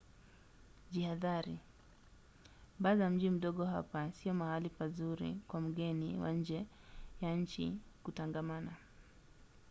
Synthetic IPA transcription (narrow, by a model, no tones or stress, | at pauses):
ʄihaðaɾi | bazam̩ʄim̩ɗɔɠɔɦa̰pasiɔmahalifazuɾḭkwam̩ɡɛniwa̰ɲ̩d͡ʒɛ | jaɲ̩t͡ʃḭkutaŋɡamana